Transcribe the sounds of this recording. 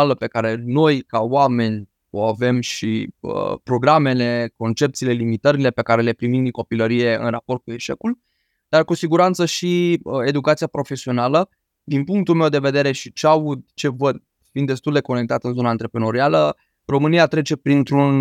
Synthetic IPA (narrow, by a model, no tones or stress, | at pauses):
aləpe̞kaɾe̞no̞jkawame̞nʲ | o̞ave̞mʃiə̰pɾo̞ɡɾame̞le̞ko̞nt͡ʃe̞p̚t̪siːle̞limit̪əɾile̞pe̞kaɾe̞le̞pɾimimd̪iŋko̞piləɾije̞ɨ̰nrapo̞rt̪̚k̚ue̞ʃe̞̰kul | d̪̥arkusiɡuɾant̪səʃiəe̞d̪ukat̪sijapɾo̞fe̞sio̞nalə | d̪inpuŋkt̪ulmewd̪e̞ve̞d̪e̞ɾe̞ʃit͡ʃeaud̪̚t͡ʃe̞vəd̪̚ | fint̪ːest̪uld̪e̞ko̞ne̞k̚t̪at̪ɨnzo̞naːnt̪ɾe̞pɾeno̞ɾialə | ro̞mɨnijat̪ɾe̞t͡ʃe̞pɾint̪ɾun